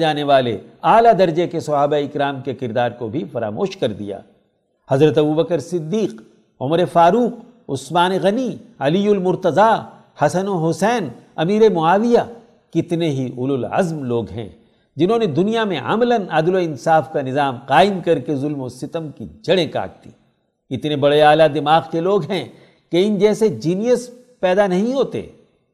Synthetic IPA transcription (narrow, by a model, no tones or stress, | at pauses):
aːneʋaːlḛaːlad̪ɐɾd͡ʒekesɐɦaːbaɪkɾaːmkekɪɾd̪aːɾkobʱifɐɾa̰ːmoːʃkɐɾd̪ḭja̰ː | hɐzɾət̪ɐbubɐkəɾsɪd̪ːiːq | ʊ̰məɾefaːɾuːq | ʊ̰smaːneɣɐniɐlijʊlmʊɾt̪əza | hɐsənoɦʊsɛːnɐmiːɾemʊaːʋija | kɪt̪neɦiʊlʊlɐ̰zmloːɡɦɛ̰̃ | d͡ʒɪnɦõːned̪ʊnijamḛ̃ʔɐ̰mlənaːd̪loɪnsaːfkanɪzaːmqaːɪmkɐɾkezʊlmosɪt̪əmkḭd͡ʒɐɽẽka̰ːk̚t̪ḭː | ɪt̪nebɐɽeaːlad̪ɪmaːɣkeloːɡɦɛ̃ | keɪnd͡ʒɛːsed͡ʒiːnijəs | pɛːd̪anɐɦĩɦoːt̪ḛː